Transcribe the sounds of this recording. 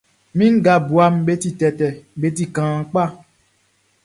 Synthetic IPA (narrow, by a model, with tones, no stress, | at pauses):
mĩ˦ŋ˦ɡa˨bu˨a˦mɓe˦ti˨tɛ˨tɛ˨ɓe˨˦t̬i˦kãː˨k͡pa˦˨